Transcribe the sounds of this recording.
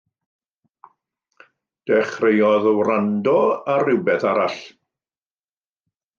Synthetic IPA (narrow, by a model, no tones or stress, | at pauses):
d̥ɛχrejɔðəwrandɔarɪwbɛθaɾaɬ